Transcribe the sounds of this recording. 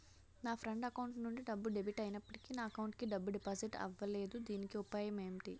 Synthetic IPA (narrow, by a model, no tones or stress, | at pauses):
naːpʰɾɐɳʈɐkɐwuɳʈnuɳɖiɖɐbːuɖebiʈɐjinɐpːɐʈi̥kiːnaːɐkɐwɳʈkiɖɐbːuɖipoːziʈɐ̰ʋːɐle̞ːd̪ud̪iːnikiupaːjɐmeːmiʈi